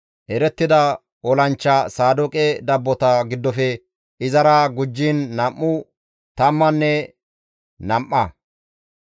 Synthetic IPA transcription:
ʔɛɾɛt̪ːɪd̪ɐ | ɔlɐnt͡ʃːɐsaːd̪ɔkʼɛd̪ɐbːɔt̪ɐɡɪd̪ːɔfɛ | ɪzɐɾaɡʊd͡ʒːinːɐmʔːʊ | t̪ɐmːɐnːɛ | nɐmʔːɐ

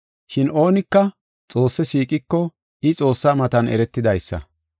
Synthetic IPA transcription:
ʃɪno̞ːnɪkːɐ | t͡sʼo̞ːsːɛsiːkʼɪkːɔ | ɪt͡sʼo̞ːsːaːmɐt̪ɐnɛ̰ɾɛt̪ːɪd̪ɐjsːɐ̰

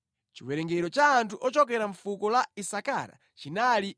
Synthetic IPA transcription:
t͡ʃiwɛɾɛŋɡɛɾɔt͡ʃaːntʰuʔɔt͡ʃɔk̬ɛɾaɱfukɔlaisaka̰ɾa̰ | t͡ʃinali

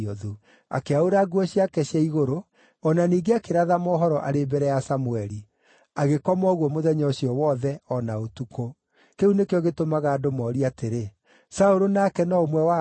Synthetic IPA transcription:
ɔðu | a̰keaoɾaɡuɔɕiakɛɕjaiɣoɾo | ɔnaniːɡeakeɾaðamɔɦɔɾɔʔaɾebɛɾɛjasamuɛɾi | aɣekɔmɔɣwɔmoðɛɲɔɕiɔwɔðɛɔnaotukʰo | keunekeɔɣetomaɣaːdomɔːɾiateɾe | saoɾonakɛnɔomwɛwa

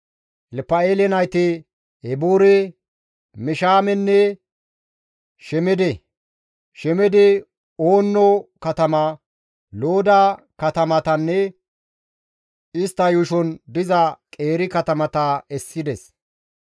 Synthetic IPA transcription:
ʔɛlpːɐeːlɛnɐjt̪ɛ | ɛbuɾɛ | mɪʃaːmɛnːɛ | ʃɛmɛd̪ɛ | ʃɛmɛd̪ɛ | oːnːɔkɐt̪ɐmɐ | loːd̪ɐkɐt̪ɐmɐt̪ɐnːɛ | ɪst̪ːɐjʊʃɔnd̪ɪzɐkʼe̞ːɾɪkɐt̪ɐmɐt̪ɐɛsːɪd̪ɛs

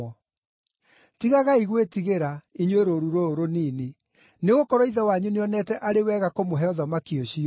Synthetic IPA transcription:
tiɣaɣaiɣwetiɣeɾaiɲweɾoɾuɾooɾoniːni | neɣokɔɾɔiðɛwaɲuneɔnɛtɛʔaɾewɛɣakomoɦɛɔðamakioɕi

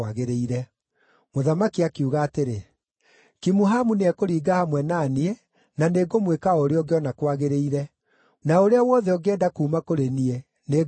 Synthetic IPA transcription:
aɣeɾeiɾɛ | moðamakiakeuɣaːteɾe | kimuɦamuneɛkoɾiːɡahamwɛnaniɛ | naneɡomwekaɔɾeɔɡeɔnakwaɣeɾeiɾɛ | naoɾeawɔðɛɔɡɛːdakuːmakoɾeniɛ | ne

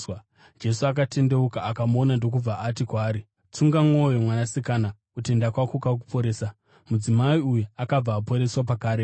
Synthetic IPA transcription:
d͡ʒe̞suak̬ate̞nde̞ukaːkamonando̞k̬ub͡vaʔatikwaːɾi | t͡suŋɡamwojomwanasikanakute̞ndakwakukak̬u̥pʰo̞ɾeːsa | mud͡zimaiujuakab͡vaːpo̞ɾe̞swap̬akaːɾe

